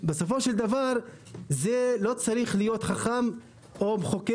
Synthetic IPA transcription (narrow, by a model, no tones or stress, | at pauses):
beso̞fo̞ʃeld̪avaʁ | zelo̞t͡saʁiχlijo̞t̪χaχam | o̞beχo̞ke